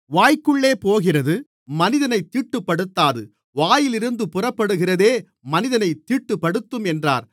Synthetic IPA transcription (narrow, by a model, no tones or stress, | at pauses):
ʋaːjkɯɭːeːpoːɣɪrɐðɯ | mɐnɪðɐnɐɪt̪ːiːʈːɯpːɐɽɯt̪ːaːðɯ | ʋaːjɪlɪɾɯnd̪ɯpɯrɐpːɐɽɯɣɪrɐðeː | mɐnɪðɐnɐɪt̪ːiːʈːɯpːɐɽɯt̪ːɯmɛndra̰ːɾ